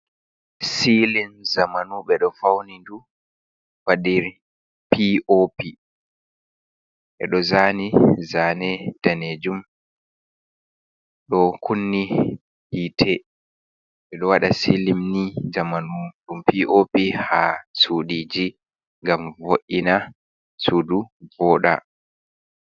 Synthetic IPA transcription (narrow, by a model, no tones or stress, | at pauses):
silinzamanuɓɛɗɔfawnindu | faɗiɾ | piʔopi | ʔɛ̰ɗɔzaːnizaːnɛtaned͡ʒum | ɗɔkʰunːi | hiːtʰɛ | ʔɛɗɔwaɗasilimnid͡ʒamanumɗumpiʔopihasuɗiːd͡ʒi | ŋɡamvoʔina | suːduvɔːɗa̰